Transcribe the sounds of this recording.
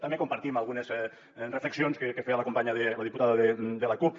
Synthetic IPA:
t̪ambekumpaɾt̪imalˠɣunezɛ | refleksionskekefealəkompaɲaðeləðiput̪aðəðed̪əlakup

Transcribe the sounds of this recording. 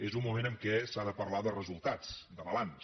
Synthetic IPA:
ezumumenəmkɛsaðəpəɾlaðərəzulˠt̪at͡sd̪əβəlans

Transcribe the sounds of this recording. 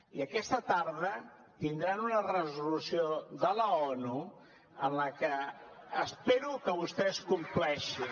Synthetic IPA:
iəkɛst̪ət̪aɾðə | t̪ind̪ɾanunərəzulusioðələɔnu | ənləkəː | speɾukəβust̪ɛskumplɛʃi

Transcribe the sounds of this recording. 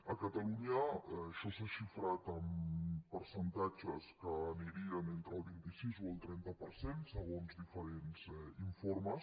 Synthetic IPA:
əkət̪əluɲaʃɔsaʃifɾat̪əmpəɾsənt̪ad͡ʒəskəːniɾiənent̪ɾəlˠβint̪isizwəlˠt̪ɾɛnt̪əpəɾsensəɣ̞onzdifəɾenzɛiɱfoɾməs

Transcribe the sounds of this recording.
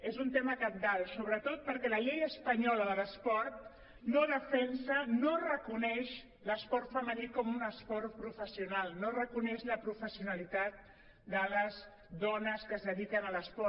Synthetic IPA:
ezunt̪eməkəm̚d̪alˠsoβɾət̪ot̪̚pəɾkɛləʎejəspəɲɔləðələspɔɾt̪̚ | noðəfɛnsənorəkunɛʃ | ləspɔɾt̪fəmənikɔmunəspɔrpɾufəsiunalˠnorəkunɛʃləpɾufəsiunəlit̪at̪̚ | d̪ələz | ðɔnəskəzðəðikənələspɔ

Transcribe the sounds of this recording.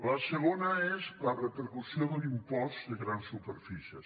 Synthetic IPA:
lasəlonɐɛzlɐrəpəɾkusioðəlimpɔst̪ðəɣɾansːupəɾfisiəs

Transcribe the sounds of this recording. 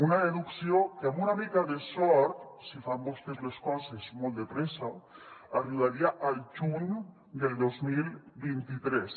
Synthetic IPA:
unaðeðuksjokeamunaβik̪aðesoɾt̪sifambost̪ezleskosesmold̪epɾesaaruðaɾiaʔalt͡ʃun | d̪eld̪ozmilbent̪it̪ɾes

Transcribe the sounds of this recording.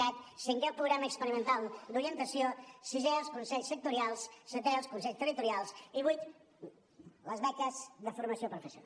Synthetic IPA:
at̪siŋkɛlˠpɾuɣɾaməːkspəɾimənt̪alˠd̪uɾiənt̪əsiosizɛlˠskunsɛʎsək̚t̪uɾialˠssət̪ɛlˠskunsɛʎst̪ərit̪uɾialˠsiβujt̪ | ləzβɛkəzðəfuɾməsiopɾufəsjuna

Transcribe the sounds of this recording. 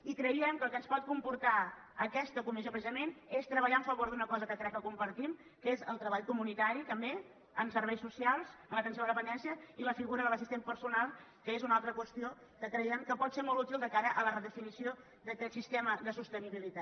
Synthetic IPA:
ikɾəiəmkəlˠkənspɔt̪̚kumpuɾt̪a | əkɛst̪əkumis̬jopɾəsizəmenest̪ɾəβəʎaəɱfəβoɾðunəkɔzəkək̪ɾɛkːəkumpəɾt̪im | kezəlˠt̪ɾəβaʎkumunit̪aɾit̪əmbe | əmsəɾβɛjsːusialˠzəmlət̪ənsjoðəðəpənd̪ɛnsiəiləfiɣuɾəðələsist̪empəɾsunalˠ | kəezunalˠt̪ɾəkwəst̪io | kəkɾəɛmkəpɔt̪semɔlˠtut̪ilˠd̪əkaɾəʔələrəðəfinisio | ðəkɛt̪sist̪eɛməðəsust̪əniβilit̪at̪

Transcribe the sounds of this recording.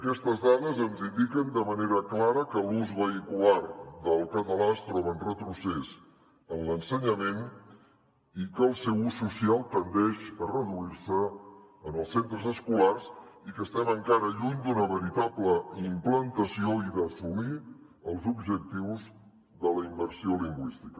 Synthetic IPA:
əkɛst̪əzðaðəzənzind̪ikənd̪əməneɾəklaɾəkəluzβəikularðəlˠkət̪əlast̪ɾɔβənrət̪ɾusɛz | ənlənsəɲəmen | ikəːlˠsɛwusːusialˠt̪ənd̪ɛʃərəðuiɾsəː | nəlˠsent̪ɾəzəskularzikəst̪ɛməŋkaɾəʎuɲd̪unəβəɾit̪apləimplənt̪əsioiðəsumi | əlˠzubʒək̚t̪iwz | ðələimbəɾsioliŋɡwist̪i̥kə

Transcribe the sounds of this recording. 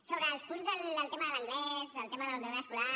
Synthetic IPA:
soβɾəːlˠspunzðələlˠt̪eməðələŋɡlɛzəlˠt̪emaðəlaβõund̪eɾəskula

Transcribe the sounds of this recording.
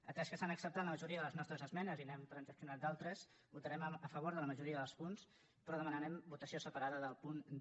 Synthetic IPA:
ət̪ɾɛskəsanəksəp̚t̪at̪ləməʒuɾiəðələznɔst̪ɾəzəzmɛnəzinɛmt̪ɾənzəksiunat̪̚d̪alˠt̪ɾəs | but̪əɾɛməfəβ̞oɾðələməʒuɾiəðəlˠspuns | pɾɔðəmənəɾɛmbut̪əsiosəpəɾaðəðəlˠpun

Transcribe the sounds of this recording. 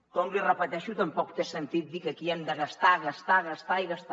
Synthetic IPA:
kɔmlirəpət̪ɛʃut̪əmpɔkt̪esənt̪it̪̚d̪ikəkiɛmd̪əɣəst̪aɣəst̪aɣəst̪aiɣəst̪

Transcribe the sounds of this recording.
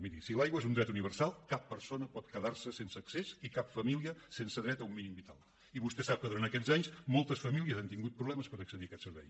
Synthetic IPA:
miɾisilajɣwəezund̪ɾɛt̪uniβ̞ərsalˠkapːəɾsonəpɔt̪kəðarsəsensəːksesikapfəmiliəsensəðɾɛt̪əumːinimbit̪a̰lˠ | iβust̪ɛsap̚kəðuɾant̪əkɛzaɲsmɔlˠt̪əsfəmiliəzant̪iŋɡut̪̚pɾuβlɛməspəɾəksəðiəkɛt̪səɾβɛ̰j

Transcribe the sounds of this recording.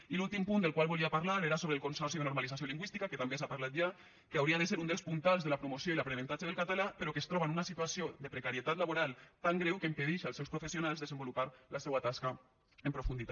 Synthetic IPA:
ilulˠt̪impund̪əlˠkwalˠβuliapaɾlaɾeɾasoβɾeəlkonsɔɾsiðenuɾmalizas̬joliŋɡwist̪ikaket̪ambesapaɾlat̪̚ʒa | keawɾiaðəseɾund̪əlˠspunt̪alˠzðəlapɾumosjoilapɾenẽnt̪ad͡ʒəð̞əlˠkat̪alapəɾokest̪ɾɔβanunasit̪uasiod̪əpɾəkaɾiet̪at̪laβoɾalˠt̪aŋɡɾɛwkəimpəðiʃalsɛwspɾufesionalˠzðezəmbulupaɾlasewat̪aska | empɾufund̪it̪a

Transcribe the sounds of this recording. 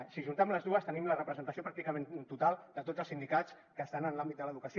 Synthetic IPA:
siʒunt̪ɛmləzðuəst̪ənimlərəpɾəzənt̪əsiopɾak̚t̪ikəment̪ut̪alˠd̪ət̪od͡zəlˠsind̪ikat͡s | kəst̪anənlambit̪d̪ələðukəsi

